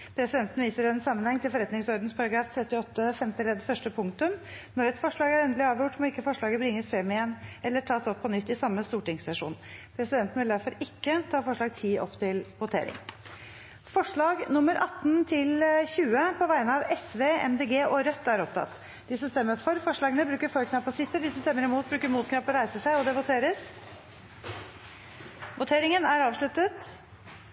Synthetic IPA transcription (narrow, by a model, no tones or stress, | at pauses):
pʰɾɛsɪd̪ɛnt̪n̩ʋiːsəɾɛnsɑmːənhɛŋːt̪ʰɪlfɔɾɛt̪nɪŋsɔɾd̪nspʰɑɾɑɡɾɑːft̪ʰɾɛt̪ːɪɔt̪ːəfɛmt̪ɪlɛd̪fœʂʈəpʰʊŋkt̪ʉm | nɔɾɛt̪fɔʂɭɑːɡæɾɛnd̪əlɪɑːʋjʊʈmɔɪkːəfɔʂɭɑːɡəbɾɪŋːəsfɾɛmːɪjɛnːʔɛlːəʈʰɑːsɔpʰːɔnʏt̪ːɪsɑmːəst̪uːʈɪŋssɛʂṵːnpʰɾɛsɪd̪ɛnt̪n̩ʋɪld̪æɾfɔɾɪkːət̪ʰɑːfɔʂɭɑːɡ̚t̪ʰiːʔɔ̰pːt̪ʰɪlʋʊt̪ʰḛːɾɪ̰ŋ | fɔʂɭɑːɡnʊmːəɾʔɑt̪ːnt̪ʰɪlçʉːəpʰɔʋæɪnəɑʋɛsʋeːɛ̰md̪eːɡeːʔɔɾœt̪ːæɾɔpt̪ʰɑ̰t̪ː | d̪ɪsɔmst̪ɛmːəfɔɾfɔʂɭɑːɡənəbɾʉːkəɾfɔɾkʰnɑpʰːɔsɪt̪ːəd̪ɪsɔmst̪ɛmːəɾɪmuːt̪̚bɾʉːkəɾmuːt̪kʰɾɑpəɾæɪsəʂæɪɔd̪ɛʋʊt̪ʰeːɾəs | ʋʊt̪ʰeːɾɪŋənæɾɑːʋʂɭʉt̪ət̪